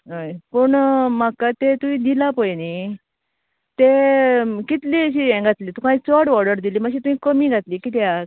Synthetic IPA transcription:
əjpəɳmakat̪et̪uĩd̪ilapəjni | t̪e | kit̪liəɕiɛ̃ɡʱat̪liːt̪ukãit͡sɔʈʋɔɽəɾd̪iliːməɕ̬it̪uĩkəmiɡʱat̪liːkit̪ja

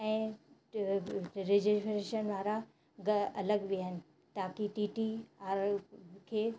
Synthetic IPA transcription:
ɛ̃ː | ɾɪd͡ʑɪsʈɾeʃənʋaːɾa | ɡɐɐləɡʋiənɪ̆ | t̪aːkiʈiːʈiaːɾkʰeː

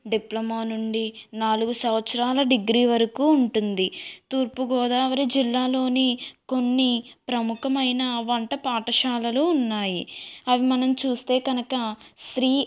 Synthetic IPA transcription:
ɖiplɐmaːnuɳɖinaːluɡusɐʋɐt̪sɐɾaːlɐɖiɡɾiːʋɐɾɐkuːɳʈund̪it̪uːɾpuɡɔːd̪aːʋɐɾid͡ʒilːaːlo̞ːniko̞nːipɾɐmukɐmɐjnɐʋɐɳʈɐpaːʈɐʃaːlɐluːnːaːjiɐʋimɐnɐmt͡ʃuːst̪e̞ːɡɐnɐkɐsɾiː

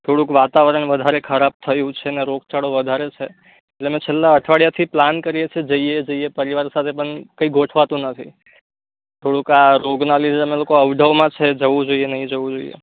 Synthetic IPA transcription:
t̪ʰoɽũkʋat̪aʋɾəɳʋəd̪ʱaɾekʰəɾab̚t̪ʰəjũt͡ʃʰeneɾoɡ̚t͡ʃaɽoʋəd̪ʱaɾet͡ʃʰe | eʈleəmẽt͡ʃʰelːaəʈʰʋaɽjat̪ʰiplankəɾijet͡ʃʰed͡ʒəied͡ʒəiepəɾiʋaɾsat̪ʰepəɳkəiɡʱoʈʰʋat̪ũnət̪ʰi | t̪ʰoɽũkaɾoɡnalid͡ʒəmelokoəʋɖ̪ʱəʋmãt͡ʃʰed͡ʒəʋũd͡ʒoienəɦĩd͡ʒəʋũd͡ʒoijḛ

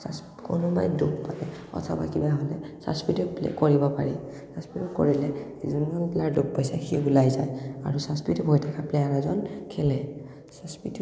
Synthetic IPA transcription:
sas | konʊma̰jduppakɛɔ̰tʰɔba̰kibaɦɔlɛsa̰spituplḛkoɹibɔpaɹi | saspituko̰ɹilɛ | izunmanpɛlaɹdup̚pajsaxiulajzaja̰ɹusaspitubʱojtʰakʰaplejanazɔnkʰɛlɛ | saspit

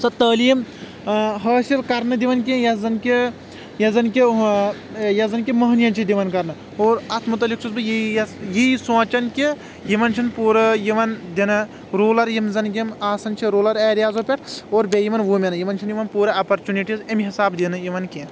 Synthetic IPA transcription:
sɐt̪ɐːliːm | ɦɐːsilkɐɾnɨd̪iʋɐnk̬ẽjɐzɐnki | jɐzɐnkʲi | jɐzɐnkimɐɦnjɐnt͡ʃʰid̪iʋɐnkɐɾnɨ | oːɾɐt̪ʰmut̪̬ɐlik̚t͡ʃʰuzbɨjijisõːt͡ʃɐnki | jiʋɐnt͡ʃʰinpuːɾɐjiʋɐnd̪ʲinɐ | ɾoːlɐɾjimzɐnɡʲimaːsɐnt͡ʃʰiɾoːlɐɾeːɾijaːzoːpʲɐʈʰoːɾbʲejiʋɐnʋuːmʲenɐjiʋɐnt͡ʃʰinjiʋɐnpuːɾɐɐpɐɾt͡ʃuniʈizɐmɦisaːbd̪inɨjiʋɐnkʲe

